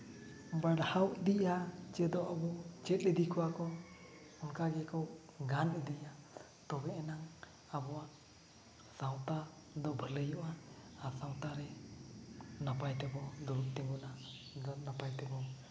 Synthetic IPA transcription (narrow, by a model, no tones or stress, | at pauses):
baɽhawʔd̪iʔat͡ʃɛd̪ɔʔabɔt͡ʃɛt̪̚əd̪ikʰuwakɔ | unkaɡɛkɔ | ɡanɛd̪iʔa | t̪ɔbɛɛnaŋ | abɔwa | sawt̪a | d̪ɔbʱələjɔʔaːsawt̪aɾɛ | napajt̪ɛbɔd̪uɾut̪ɛŋɡuna | napajt̪ɛbɔ